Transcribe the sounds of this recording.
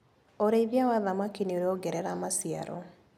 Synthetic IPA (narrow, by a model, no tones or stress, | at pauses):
oɾeiðjawaðamakinioɾeoɡɛɾɛɾamasja̰ɾɔ̰